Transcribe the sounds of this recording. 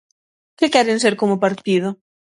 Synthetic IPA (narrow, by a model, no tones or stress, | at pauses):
kɪkɛɾɪnseɾkomʊpaɾt̪ið̞ʊ